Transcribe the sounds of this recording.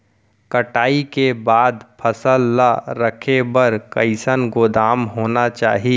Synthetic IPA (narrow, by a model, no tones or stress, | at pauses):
kəʈaːikebaːd̪pʰəsəlːaɾəkʰebəɾkəɪsənɡoːd̪aːmɦoːnat͡ʃa̰ːɦi